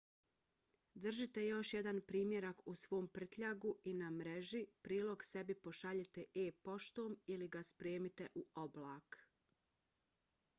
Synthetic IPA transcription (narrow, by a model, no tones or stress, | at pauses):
d̪r̩ʒit̪e̞jo̞ʃjed̪anpɾiːmje̞ɾakusʋo̞ːmpr̩t̪ʎaɡuʔinamɾeʒipɾiːlˠo̞ɡse̞bipo̞ʃaʎet̪eʔeːpo̞ʃt̪o̞ːmiliɡaspɾeːmit̪e̞ʔuo̞blaːk